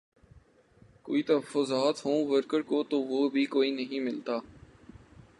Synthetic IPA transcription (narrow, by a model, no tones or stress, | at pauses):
ko̰ːit̪ɐɦəfːʊzaːt̪ɦõːʋəɾkəɾkot̪oʋoːbʱikoːinɐɦĩmɪlt̪aː